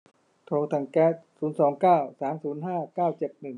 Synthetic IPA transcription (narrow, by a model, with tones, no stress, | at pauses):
t̪ʰoː˧ŋt̪ʰa˧˩ŋkɛː˦˥˩t̪̚suː˩˦nsɔː˩˦ŋkaː˥˩wsaː˩˦msuː˩˦nɦaː˥˩kaː˥˩wt͡ɕe˨˩t̪̚nɯ˨˩ŋ